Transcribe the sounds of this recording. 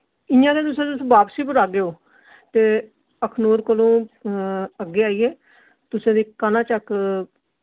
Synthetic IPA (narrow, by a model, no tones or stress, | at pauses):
ɪjãːd̪ẽːt̪ʊsẽːt̪ʊsũːʋaːpsiːpʊɾaːɡeːoː | t̪eː | əkʰnoːɾkəlõː | əɡːeːaːiːeː | t̪ʊsẽːd̪iːkanãːt͡ʃək